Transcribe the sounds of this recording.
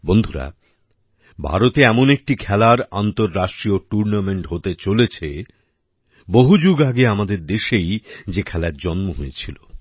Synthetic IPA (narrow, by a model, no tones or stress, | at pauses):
bond̪ʱuɾa̰ | bʱa̰ɾot̪eɛmonek̚ʈikʰɛlaɾa̰nt̪oɾːaʃʈɾioʈuɾnameɳʈɦot̪et͡ɕolet͡ɕʰe | boɦud͡ʑuɡaɡeamad̪eɾd̪eʃejd͡ʑekʰɛlaɾd͡ʑɔnmoɦoet͡ɕʰilo